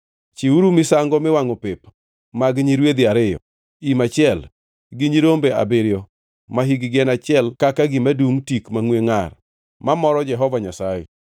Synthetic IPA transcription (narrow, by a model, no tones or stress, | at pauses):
t͡ʃiuɾumɪsaŋɡɔmɪwaŋɔpep | maɡɲiɾwed̪ɪaɾɪjɔ̰ | imat͡ʃɪɛl | ɡɪɲiɾombea̰bɪɾjɔ | maɦiɡɪɡɛnat͡ʃɪɛlkakaɡɪmaduŋtikmaŋweŋar | mamɔɾɔd͡ʒɛɦɔvaɲasajɛ̰